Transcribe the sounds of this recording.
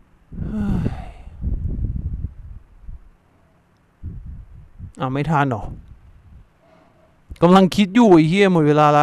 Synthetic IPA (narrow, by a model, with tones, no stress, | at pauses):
hɯ˧˩j | ʔa˧˩wma˧˥˩jt̪ʰaː˧˥˨ndɔ˨˩ | ka˧˨mla˧ŋkʰi˧˦˥t̪̚juː˧˩˨iː˧˩kʰi˧˥˨mɔ˧˩t̚weː˧˥˧laː˧laː˧˥